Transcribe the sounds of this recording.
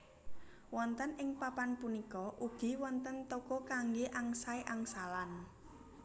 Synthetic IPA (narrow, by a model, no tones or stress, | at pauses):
wɔnt̪ənɪŋpapanpunikɔʔuɡ̥i̤wɔnt̪ənt̪okɔkaŋɡeʔaŋsaeʔaŋsalan